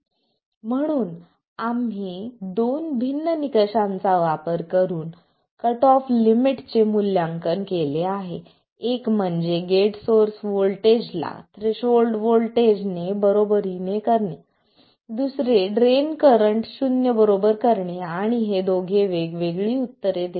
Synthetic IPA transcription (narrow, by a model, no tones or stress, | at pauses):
m̤əɽ̃uːn | amɦid̪onbʱinːənikəɕãnt͡saʋapəɾkəɾuːn | kəʈɔflimiʈt͡semuljaŋkənkeleaɦe | ekm̤əɳd͡zeɡeʈsoɾsʋolʈed͡ʑla̰t̪ɾeɕolɖʋolʈed͡ʑnebəɾobəɾinekəɾɳe | d̪usɾeɖɾenkəɾəɳʈɕunjəbəɾobəɾkəɾɳeaɽ̃iɦed̪oɡʱeʋeɡʋeɡɭiːut̪ːəɾed̪e